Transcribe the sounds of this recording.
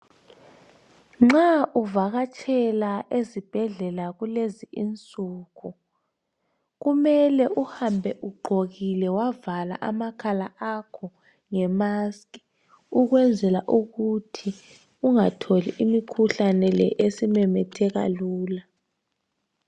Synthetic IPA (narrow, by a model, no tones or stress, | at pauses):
ŋ͡ǁaʔuvaɣat͡ʃʼʰɛlaʔezib̥ʱɛɮɛlaɣuleziʔint͡sʼuːkʰu | ɣumɛlɛʔuhambʱɛʔuɡ͡ǃʱoɣilɛwavala̰ʔamakʰalaakʰɔ | ŋɛmaskʼi | uɣwɛnd͡zʱɛlaʔuɣutʰi | uŋatʰoliʔimikʰuɬanɛlɛʔesimɛmɛtʰɛɣa̰luːla